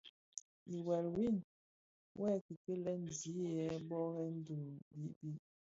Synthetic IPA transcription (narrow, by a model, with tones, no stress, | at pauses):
i˨wɛ˨lwi˦˨n | wʔɛ˦˨ki˨kə˦lɛ˦n˨zi˨˦jɛ˨˦bɔ˦ɣɛ˦n̩˦du˨bi˨˦ʔbi˦ʔ